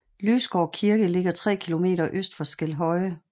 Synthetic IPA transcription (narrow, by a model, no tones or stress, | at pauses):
lyːsɡ̥ɒʊkʰiɐɡ̥əle̝ɡ̥ɐt͡sʰʁɛ̰ːkʰilo̝me̝̰ːɾɐʔøsd̥fɒsɡ̥el̰ɦɒ̽ɪ